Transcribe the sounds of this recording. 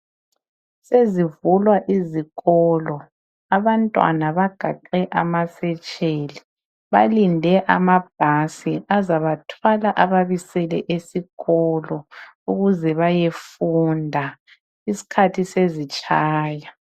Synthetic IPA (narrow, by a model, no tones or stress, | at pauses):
sezivulwaʔiziɣɔːlɔ | aβantʼwa̰naβaɡ̥ʱaǃɛʔamasɛt͡ʃʼeli | βa̰lindʱɛʔamab̥̚ʱasiʔazaβatʰwalaʔaβaβisɛlɛʔesiɣɔlɔ | uɣuzɛβajefundʱa | isi̥kʰatʰisezit͡ʃʼaːja